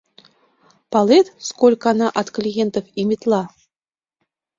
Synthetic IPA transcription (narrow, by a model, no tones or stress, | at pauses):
pɑlˠet̪skolʲkɑnɑʔɑt̪klʲijent̪ofimʲit̪lˠɑ